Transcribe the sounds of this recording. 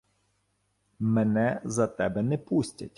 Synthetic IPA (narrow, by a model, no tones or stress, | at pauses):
mɛnɛzɐt̪ɛbɛnɛpusʲtʲɐ̰tʲ